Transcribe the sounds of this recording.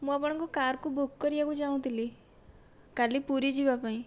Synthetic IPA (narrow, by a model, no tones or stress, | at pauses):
mũapɔɽ̃ɔ̃kɔkaɾkubukːɔɾiakũd͡ʒaũt̪ili | kalipuɾid͡ʒibapaĩ